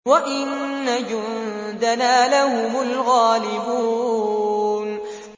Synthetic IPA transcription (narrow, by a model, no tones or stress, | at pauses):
waʔɪnːad͡ʒʊnd̪anaːlahʊmʊlɣaːlɪbuuː | n